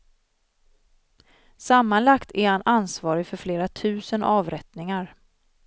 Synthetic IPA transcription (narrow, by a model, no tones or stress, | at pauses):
samːanlakt̪ʰæɾhanʔansvɑːɾɪfœɾfleːɾat̪ʰʉ̟ːsənɑːvɾɛt̪nɪŋaɾ